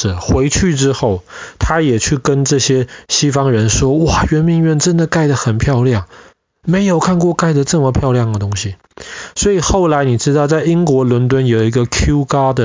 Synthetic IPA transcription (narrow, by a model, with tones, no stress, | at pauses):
xwe˧˥ɪt͡ɕʰy˥˩ʈ͡ʂɻ̩˥xo˥˩ʊt̪ʰa˥jɛ˨˩t͡ɕʰy˥˩kə˥nʈ͡ʂɤ˥˩ɕjɛ˥ɕi˥fɑ˥ŋɻə˧˥nʂwɔ˥wɔ˨˩ɥɛ˧˥nmi˧˥ŋɥɛ˥˩nʈ͡ʂə˦˥nd̪ə˨ka˥˩ɪd̪ə˩xə˨˩npʰjɑ˥˧ʊljɑ˥˩ŋ | me˧˥ɪjo˨˩ʊkʰa˥˧nkwɔ˥˧ka˥˩ɪd̪ə˩ʈ͡ʂɤ˥˩mə˨˩pʰjɑ˥˧ʊljɑ˥˩ŋd̪ə˩t̪ʊ˥ŋɕi˨ | swɔ˧˥i˨˩xo˥˩ʊla˧˥ɪni˨˩ʈ͡ʂɻ̩˥t̪ɑ˥˧ʊt͡sa˥˩ɪi˥ŋkwɔ˧˥lwə˧˥nt̪̬wə˥njo˨˩ʊi˧˥ɡə˧kʰju˥ka˥d̪ə˨